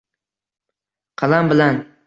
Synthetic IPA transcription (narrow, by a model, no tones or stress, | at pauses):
qʰɑlˠambɪlan